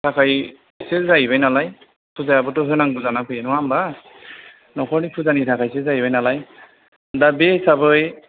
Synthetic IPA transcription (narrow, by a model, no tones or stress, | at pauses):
tʰakʰaj | selzaibajnalaj | pʰuzajabɔtɔɦɯnaŋɡuzanakʰɯjɛnɔwamba | nɔkʰɔɹnipʰuzanitʰakʰajsezaibajnalaj | dabɛsabɔj